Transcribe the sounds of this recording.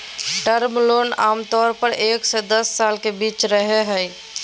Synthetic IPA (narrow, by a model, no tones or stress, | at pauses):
ʈəɾmloːnaːmt̪ɔːɾpəɾeːksed̪əsːaːlkebiːt͡ʃɾəɦeɦəj